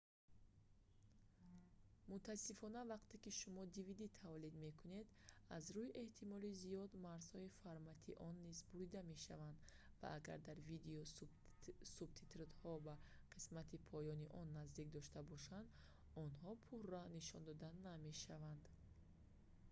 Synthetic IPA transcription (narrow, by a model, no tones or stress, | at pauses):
mut̪ʰasːifɔnavaqt̪ʰe̞kiʃumɔd̪ivid̪it̪ʰavlid̪me̞kʰune̞d̪azɾuiʔe̞ht̪ʰimɔlizijɔd̪maɾz̥hɔifaɾmat̪ʰiʔɔnːizbuɾid̪ame̞ʃa̰vand̪va̰ʔaɡa̰ɾd̪aɾvid̪eɔ | sub̚t̪ʰit̪ɾt̪hɔba | qʰismat̪ʰipʰɔjɔniʔɔnːazd̪ik̚d̪ɔʃt̪abɔʃand̪ | ɔnhɔpʰuɾːaniʃɔnd̪ɔd̪anːame̞ʃavand̪